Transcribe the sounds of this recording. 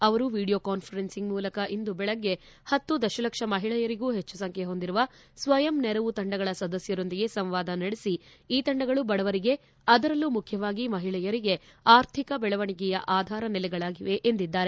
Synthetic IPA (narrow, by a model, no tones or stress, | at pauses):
ɐʋɐɾuʋiːɽijoːkaːnpʰɐɾensiŋɡmuːlɐkɐʔind̪ubɛɭɐɡːe̞ | hɐt̪ːud̪ɐʃɐlɐkʂɐmɐɦiɭɛjɐɾiɡuːɦet͡ʃːusɐŋkʰeɦo̞nd̪iɾuʋɐ | sʋɐjɐmnɛɾɐʋut̪ɐɳɖɐɡɐɭɐsɐd̪ɐsjɐɾo̞nd̪iɡe̞sɐmʋaːd̪ɐnɐɽesiiːt̪ɐɳɖɐɡɐɭubɐɽɐʋɐɾiɡe̞ | ɐd̪ɐɾɐlːumukʰjɐʋaːɡimɐɦiɭɛjɐɾiɡeaːɾt̪ʰikɐbɛɭɐʋɐɳikɛjɐʔaːd̪ʱaːɾɐnɛlɛɡɐɭaːɡiʋe̞ʔend̪id̪ːaːɾe